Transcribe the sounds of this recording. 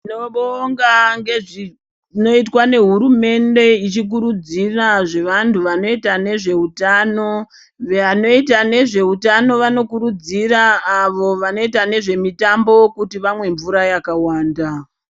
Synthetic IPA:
inoɓoŋɡaŋɡe̞ʐi | no̞it̬wane̞ɦuɾume̞nde̞it͡ʃik̬uɾud͡ziraʐe̞ʋantʰuʋano̞itane̞ʐe̞utaːno̞ | ʋano̞itane̞ʐe̞utano̞ʋano̞kuɾud͡ziraːʋo̞ʋano̞itane̞ʐe̞mitambo̞kutiʋamwe̞ɱvuɾajakawaːnda

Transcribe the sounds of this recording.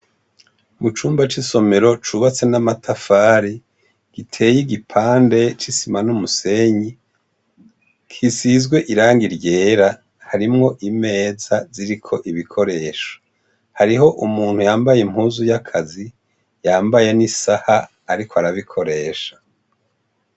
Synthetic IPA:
mut͡ʃuːmbat͡ʃiso̞me̞ɾo̞t͡ʃuβat͡se̞namatʰafaːɾi | ɡ̥itʰe̞ːjiɡipʰaːnde̞t͡ʃisimanumuse̞ɲi | kʰisizɡwe̞ʔiɾaːŋɡiɾje̞ːɾa | haɾimŋo̞ʔime̞ːzaziɾikʰo̞ʔiβikʰo̞ɾe̞ːʃo̥ | haɾiɦo̞ʔumuːn̥hujaːmbajem̥huːzujakʰazi | jaːmbajenisahaː | ɾikʰoaɾaβikʰo̞ɾe̞ːʃḁ

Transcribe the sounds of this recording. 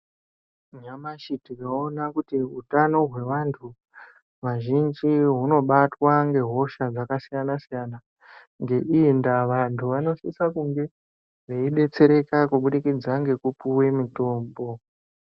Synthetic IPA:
ɲamaʃitikaonakutiutano̞ɦwe̞ʋantʰu | ʋaʒind͡ʒiɦuno̞ɓatwaŋɡe̞ɦo̞ʃad͡zakasijanasijana | ŋɡe̞ʔindaʋantʰuʋano̞sisakuŋɡe̞ | ʋeiɗe̞t͡se̞ɾe̞kakuɓuɗikid͡zaŋɡe̞kupuwe̞mito̞ːmbo̞

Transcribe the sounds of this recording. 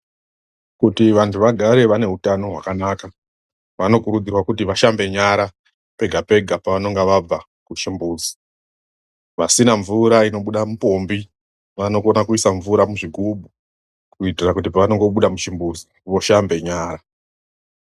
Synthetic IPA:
kutiʋantʰuʋaɡʱaɾe̞ʋane̞ɦutano̞ɦwa̰kanaːka | ʋano̞kuɾud͡zirwakutiʋaʃambe̞ɲaɾa | pe̞ɡʱape̞ɡʱapaʋano̞ŋɡeʋab͡va | kuʃimbuːzi̥ | ʋasinaɱvuɾaino̞ɓuɗamupo̞mbi | ʋano̞ko̞nakuisaɱvuɾamuʐiɡʱubʱu | kuitirakut̬ipaʋano̞ŋɡo̞ɓuɗamuʃimbuːzi | ʋo̞ʃambe̞ɲaːɾa

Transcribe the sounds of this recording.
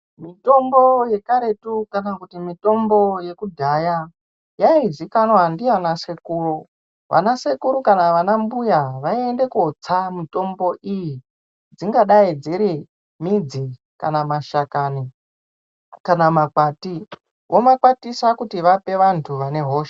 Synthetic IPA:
mito̞mbo̞je̞kaɾe̞tukanakutimito̞mbo̞je̞kudʱaja | jaizikanwandianasekuːru | ʋʔa̰nase̞kuɾukanaʋanambujaʋaiende̞kuot͡samito̞mbo̞ʔiji | d͡ziŋɡaɗaid͡ziɾi | mid͡zi | ka̰namaʃakani | kanamakati | wʔo̞makwatisakutiʋape̞ʋantʰuʋane̞ɦo̞ːʃḁ

